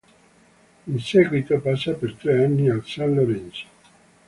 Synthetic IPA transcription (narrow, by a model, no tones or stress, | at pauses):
insɛːɡwit̪opasːapert̪ɾeanːialsanloɾɛnso̥